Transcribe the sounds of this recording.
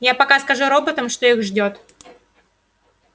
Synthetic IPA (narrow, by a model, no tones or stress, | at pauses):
japɐkaskɐʐuɾo̞bət̪əmʂt̪oixʐdʲo̞t̪